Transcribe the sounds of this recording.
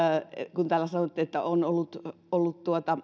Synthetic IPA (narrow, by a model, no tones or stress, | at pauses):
kunt̪æːlːæsɑnot̪ːiet̪ːæ̰onolːut̪ | olːut̪t̪uot̪ɑ